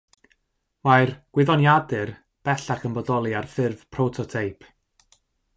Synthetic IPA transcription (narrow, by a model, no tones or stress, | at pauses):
wajrɡ̥wɪðɔnjadɨr | b̥ɛɬaχənbɔdɔlˠiarfɪrv̥pʰrotʰɔtʰejpʰ